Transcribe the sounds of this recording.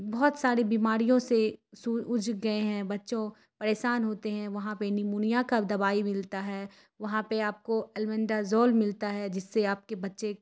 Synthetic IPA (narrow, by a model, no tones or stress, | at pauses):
bɔːt̪saːɾebiːmaːɾijõsesuʊd͡ʒɡɐeɦɛ̃bɐtːʃõ | pɐɾeːʃaːnɦoːt̪eɦɛ̃ʋɐɦãpenɪmuːnijakad̪ɐbaːimɪlt̪aɦɛː | ʋɐɦãpeaːp̚koɐlmɛ̃nd̪azɔːlmɪlt̪aɦɛd͡ʒɪsːeaːp̚kebɐtːʃe